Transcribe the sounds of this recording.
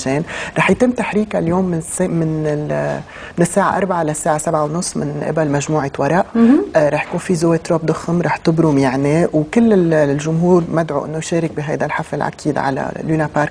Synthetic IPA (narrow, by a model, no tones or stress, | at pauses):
ʒeːnɾˤɑːħjt̪ɪmːt̪aħɾiːkaljoːmːɪnsmɪnɪ | mɪnɪsːaːʕa̰ʔɑ̰ɾˤbaʕalasːaːʕasabʕawnʊsˤːmɪ̰nʔɪ̰balmaʒmuːʕawɑɾˤɑʔɾˤɑːħjakuːnfizoːet̪ɾoːb̚d̪ʊxɪmɾˤɑːħt̪ɪbɾʊmjaʕniwkɪlːɪlʒʊmɦuːɾmad̪ʕṵʔɪ̰nːojʃeːɾɪk̚biɦajd̪alħafɪlʕa̰kʰiːd̪ʕa̰la̰lunapaːɾk